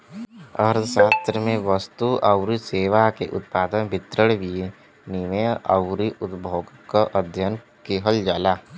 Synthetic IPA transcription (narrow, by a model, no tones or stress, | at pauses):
əɾsaːst̪ɾəmẽʋəst̪uɐwɾiseːʋakeʔʊ̰t̪̚paːd̪ənbʱɪt̪ɾəɽʋie | niməɐwɾiʔʊt̪bʱoːɡkəʔəd̪ʱjən | keɦəld͡ʒaːlaː